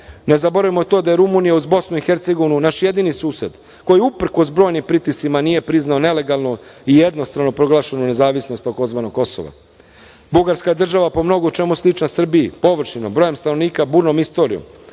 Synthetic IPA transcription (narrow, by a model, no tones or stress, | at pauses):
ne̞zabo̞ɾaʋimot̪o̞ːd̪aje̞ɾumuːnijauzbo̞snuixe̞ɾt̪se̞ɡo̞ʋinunaʃje̞d̪inisuːse̞d̪ | ko̞jiupr̩ko̞sbɾo̞ːjnimpɾit̪isimanije̞pɾiznaone̞le̞ɡalˠnoije̞d̪no̞st̪ɾano̞pɾo̞ɡlˠaːʃenone̞zaːʋisnost̪ako̞zʋaːnoɡ̚kːo̞so̰ʋa̰ | buɡaɾskad̪r̩ʒaʋapo̞mno̞ɡot͡ʃe̞muslˠit͡ʃnasr̩biipo̞ʋr̩ʃinombɾoːjemst̪ano̞ʋniːkabuːɾno̞mist̪o̞ːɾio̰m